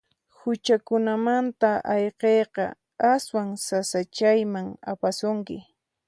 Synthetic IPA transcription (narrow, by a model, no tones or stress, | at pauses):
hʊt͡ʃakʊnamant̪aʔɑjqejqɑ̰ | aswaŋsasat͡ʃajmaŋa̰pasʊŋkɪ̰